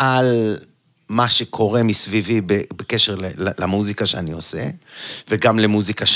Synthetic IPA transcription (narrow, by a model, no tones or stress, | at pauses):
ʔal | maʃekʰo̞ʁemisvivibebekeʃeʁlellamuzikaʃeanio̞sḛveɡamlemuzikaʃ